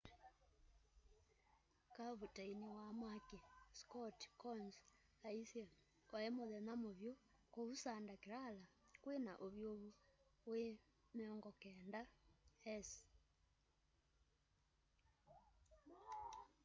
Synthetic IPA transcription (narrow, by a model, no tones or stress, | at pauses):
kaβutainiwamwakeskɔtkɔnz | aisjɛ | kwaemoðɛnamoβjo | kousandakeɾalakwena̰ʔoβjoβuwemeɔŋɡɔkɛndahɛs